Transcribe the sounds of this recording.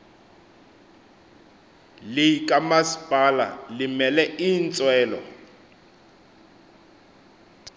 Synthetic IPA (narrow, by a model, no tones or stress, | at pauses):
lɪkʼamasi̥pʼala̰lɪmɛlɛint͡sʼwɛːlɔ̰